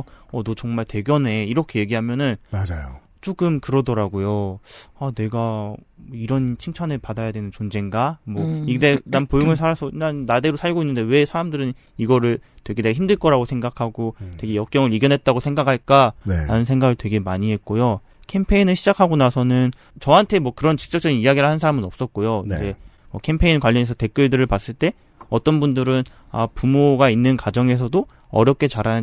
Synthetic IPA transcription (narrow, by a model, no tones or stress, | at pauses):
ʌdʌt͡ɕʌŋmaɭte̞ɡjʌne̞iɾʌkʰe̞je̞ɡiɦamjʌnɯnmad͡ʑajo | t͡ɕ͈oɡɯmkɯɾʌdʌɾaɡojoane̞ɡamoiɾʌnt͡ɕʰiŋt͡ɕʰanɯɭpadajadwe̞nɯnt͡ɕond͡ʑe̞ŋɡamwʌidenanpojoŋɯɭsʰaɾasʰʌnanːade̞ɾosʰaɭɡoinːɯnde̞we̞sʰaɾamdɯɾɯn | iɡʌɾɯɭtwe̞ɡedeɡaçimdɯɭk͈ʌɾaɡosʰe̞ŋɡakʰaɡote̞ɡe̞jʌk̚k͈jʌŋɯɭiɡjʌnɦe̞t̚t͈aɡosʰe̞ŋɡakʰaɭk͈aɾanɯnsʰe̞ŋɡaɡɯɭtwe̞ɡe̞maɲiɦe̞t̚k͈ojo | kʰe̞mpʰe̞inɯɭɕʰid͡ʑakʰaɡonasʰʌnɯn | t͡ɕʌɦantʰe̞mwʌkɯɾʌnt͡ɕi̥k̚t͡ɕ͈ʌk̚t͡ɕ͈ʌɡinijaɡiɾɯɭhansʰaɾamɯnʌp̚s͈ʌt̚k͈ojoid͡ʑe̞ | mwʌkʰe̞mpʰe̞inkwaʎːʌne̞sʰʌte̞k͈ɯɭdɯɾɯɭpas͈ɯɭt͈e̞ | ʌt͈ʌnbundɯɾɯn | apumoɡainːɯnkad͡ʑʌŋe̞sʰʌdo | ʌ̰ɾjʌp̚k͈ʰe̞t͡ɕaɾanɯ